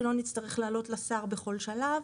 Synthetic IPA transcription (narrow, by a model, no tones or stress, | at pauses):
lo̞nitt͡st̪aʁeχlaːlo̞tlasaːʁbeχo̞lʃalav